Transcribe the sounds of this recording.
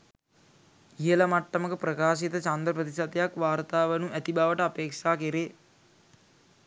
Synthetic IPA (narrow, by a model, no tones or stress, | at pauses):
ijəlamaʈːɐməkəprəkaːʃit̪ət͡ʃand̪ɾəpɾət̪isat̪jakʋaːɾt̪aːʋenuʔæt̪ibaʋəʈəapeːkʂaːkeɾe